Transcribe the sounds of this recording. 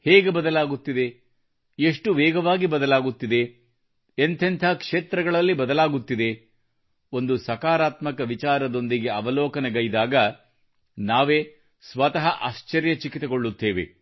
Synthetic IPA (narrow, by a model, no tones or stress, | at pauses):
heːɡe̞bɐd̪ɐlaːɡut̪ːid̪e | eʂʈuʋɛːɡɐʋaːɡibɐd̪ɐlaːɡut̪ːid̪e̞ː | nt̪ʰɐnt̪ʰɐɦɐkʂeːt̪ɾɐɡɐɭɐlːibɐd̪ɐlaːɡut̪ːid̪e̞ | o̞nd̪usɐkaːɾaːt̪mɐkɐʋit͡ʃaːɾɐd̪o̞nd̪iɡe̞ɐʋɐlɔːkɐnɐɡɐjd̪aːɡɐ | naːʋeː | sʋɐt̪ɐɦɐʔaːʃt͡ʃɐɾjɐt͡ʃikit̪eɡo̞ɭːut̪ːeːʋḛ